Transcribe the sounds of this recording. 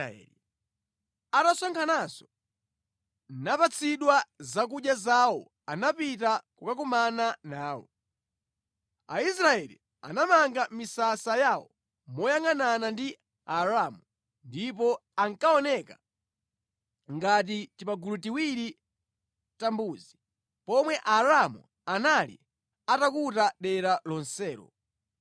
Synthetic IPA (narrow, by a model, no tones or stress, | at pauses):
i | anasɔŋkʰanasɔ̥ | napat͡sʰiɗwazakuɗjazawɔ̰ | anapit̬akukak̬ɔmananaːwɔ̰ | a̰is̬ɾaɛlḭ | a̰namaŋɡamisasajaːwɔ̰ | mɔjaŋananandi | aɾamu | ndipɔaŋkaɔnɛka | ŋɡat̬it͡ʃipaɡulutiwiɾi | tambuːzi | pɔmwɛʔaɾamṵ | analḭ | atakutaɗɛɾalɔnsɛːɾɔ̰